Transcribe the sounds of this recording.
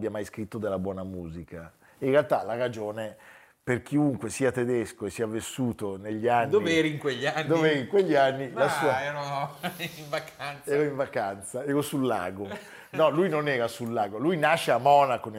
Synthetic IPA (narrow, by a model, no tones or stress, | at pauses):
bjamajskɾit̪ːod̪elːabwɔːnamuːzika | inrealt̪alaɾad͡ʒoːne | perk̟ʰiuŋkwesiːat̪ed̪eskoesːiːavesːuːt̪oneʎːianːd̪oivɛɾiŋkweʎːand̪oveɛːɾiŋkweʎːianːilasua | iɱvakant̪sɛːɾoiɱvakant̪saɛːɾosulːa̰ːɡo | nɔlujnonɛːɾasulːaːɡolujnaʃːeamːɔːnakon